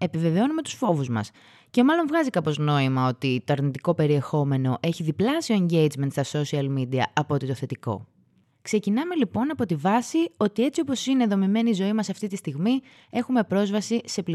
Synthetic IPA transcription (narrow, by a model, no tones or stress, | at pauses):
e̞pive̞ve̞o̞nume̞t̪u̥sfo̞vuzmɐ̰s | ce̞mɐlo̞nvɣɐzikɐpo̞zno̞imɐo̞t̪it̪o̞ɐɾnit̪iko̞pe̞ɾie̞xo̞me̞no̞ʔe̞çiðiplɐsioeɲɟe̞jd͡zment̪st̪ɐso̞siɐlmid̪iɐɐpoot̪it̪o̞θe̞t̪iko̞̰ | kse̞cinɐme̞lipo̞nɐpo̞t̪ivɐsio̞t̪ie̞t͡sio̞po̞sineðo̞mime̞niːzo̞imɐsɐft̪it̪ist̪iɣmi | e̞xume̞pɾo̞zvɐsise̞pli